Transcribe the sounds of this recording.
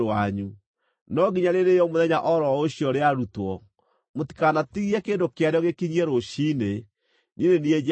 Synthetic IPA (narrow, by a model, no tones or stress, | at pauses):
aɲu | nɔɡiɲaɾeɾejɔmoðɛɲaʔɔɾɔoɕjɔɾeaɾutwɔ | moti̥kanatiɣiɛkeːndokeaɾejɔɣekiɲiɛɾoɕine | ninenie